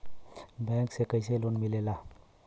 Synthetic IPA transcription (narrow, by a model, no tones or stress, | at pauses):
bɛ̃ksekəjselonmilela